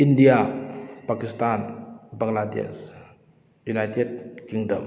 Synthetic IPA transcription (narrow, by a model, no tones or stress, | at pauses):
indiapakistanbaŋladḛs | junajted̚kiŋdə̰m